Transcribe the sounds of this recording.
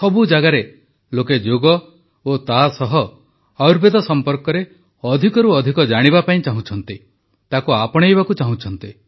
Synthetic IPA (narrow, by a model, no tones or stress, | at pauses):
sɔbud͡ʒaɡaɾe | loked͡ʒoɡɔ | ot̪asɔɦɔ | awɾbed̪ɔsɔmpɔɾkɔɾe | ɔd̪ʱikɔɾuɔd̪ʱikɔd͡ʒaɽ̃iβapaĩt͡ʃaɦũt͡ʃʰɔnt̪i | t̪akuapɔɽ̃ejβakut͡ʃaɦũt͡ʃʰɔnt̪i